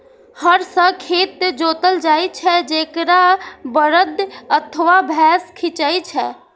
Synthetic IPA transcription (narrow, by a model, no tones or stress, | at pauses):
həɾsə̃kʰet̪d͡ʒot̪əld͡ʒajt͡ʃʰɛd͡ʒekɾabəɾəd̪ət̪ʰəʋabʱɛskʰit͡ʃəjt͡ʃʰɛ